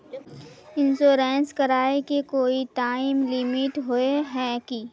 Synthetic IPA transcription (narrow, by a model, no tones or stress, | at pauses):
ɪ̃nsoːɾɛːnskəɾaːekekoːiʈaːimlɪmɪʈɦoeɦɛːki